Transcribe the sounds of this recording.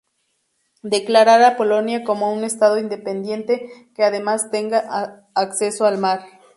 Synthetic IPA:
d̪e̞klaɾaɾapo̞lo̞njako̞mo̞une̞st̪að̞o̞ind̪e̞pe̞nd̪je̞nt̪e̞ke̞að̞e̞mast̪e̞ŋɡaʔː | kse̞so̞almaɾ

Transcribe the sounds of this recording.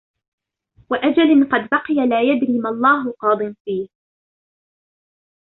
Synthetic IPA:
waʔad͡ʒalɪnqɑd̪bɑqɨjalaːjad̪niːmalˤːɑːɦʊqɑːd̪ˤɨmfiːh

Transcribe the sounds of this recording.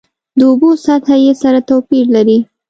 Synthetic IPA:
d̪əʊbosat̪hajesaɾat̪awpiɾlaɾi

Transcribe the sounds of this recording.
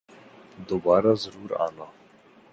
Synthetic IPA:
d̪obaːɾaːzəɾuːɾa̰ːna

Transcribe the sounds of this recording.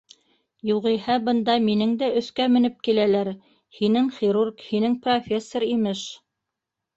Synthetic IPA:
juʁɤ̆jhɑbɤ̆nd̪ɑminɘŋd̪æʔɵ̆θkæmɘ̆nɘp̚kilælæɾ | hinɘŋχʲiɾurkhinɘŋprofʲesːoɾimɘʃ

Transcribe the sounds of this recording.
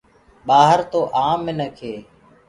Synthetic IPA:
ɓaːɦəɾt̪oːʔaːmɪnəkʰeː

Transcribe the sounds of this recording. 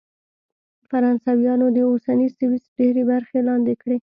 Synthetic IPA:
faɾɑnsawjɑnod̪əosanisɪwisɖeɾebaɾxelɑnd̪ɪkɽe

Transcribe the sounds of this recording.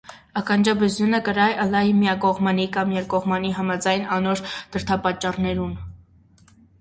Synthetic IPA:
ɑkɑnd͡ʒɑbəzjunəkəɾɑjʔəlɑjmijɑkɔʁmɑnikɑmjɛɾkɔʁmɑniɦɑmɑd͡zɑjnɑnɔɾd̪̥əɾt̪ʰɑpɑt͡ʃːɑrnɛɾun

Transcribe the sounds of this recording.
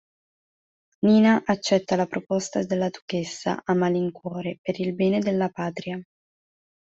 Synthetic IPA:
niːnaʔat͡ʃːɛt̪ːalapɾopɔst̪ad̪elːad̪ukesːa̰ʔamaliŋkwɔːɾepeɾilbɛːned̪elːapaːt̪ɾia

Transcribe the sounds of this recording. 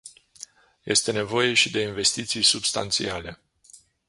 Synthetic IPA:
jʔe̞̰st̪e̞ne̞vo̞je̞ʃid̪e̞inve̞st̪it̪sijsubst̪a̰nt̪sḭale̞

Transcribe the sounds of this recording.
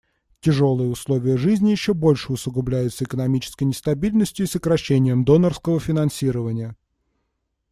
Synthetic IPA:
tʲɪʐo̞lˠɨjəʊslˠo̞vʲɪjəʐɨzʲnʲɪjɪɕːobo̞lʲʂɨʊsʊɡʊblʲæjʊt̪səɪkənɐmʲit͡ɕɪ̥skəjnʲɪst̪ɐbʲilʲnəsʲtʲjʊisəkɾɐɕːenʲɪjəmd̪o̞nərskəvəfʲɪnɐnsʲiɾəvənʲɪjə

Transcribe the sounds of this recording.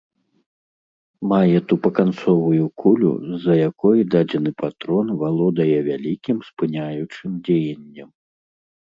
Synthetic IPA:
majɛt̪upɐkant̪sɔvujukʰulʲṵzɐjakɔjud̪ad͡zʲɛnɨpat̪ɾɔnvalˠɔd̪ɐjɛvʲalʲikʲimspɨnʲajut͡ʂɨmd͡zʲejɐnʲːɐm

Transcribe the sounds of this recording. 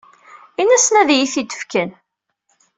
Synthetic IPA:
inːæsənæðjiθid̪ə̥fkən

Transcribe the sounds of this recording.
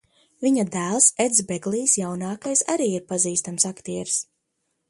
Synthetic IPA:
viɲad̪æːlˠsed̪zbɛɡlˠiːsjawnaːkajsaɾiːiɾpaziːst̪amsakt̪iɛɾs

